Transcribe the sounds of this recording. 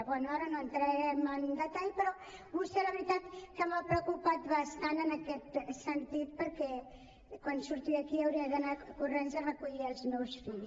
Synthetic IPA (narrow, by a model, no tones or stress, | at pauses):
ɐβɔnɔɾɐnõnt̪ɾɛmãnd̪ɐt̪ajpəɾɔ | βuselɐβɾit̪at̪kɐmapɾokupat̪βast̪anenɐkɛt̪sent̪iðpəɾkɛ | kwãnd̪usuɾt̪iɐkiɐwɾiɐðɐnakurẽnzɐrɐkuʎiɾalzmewsfiʎ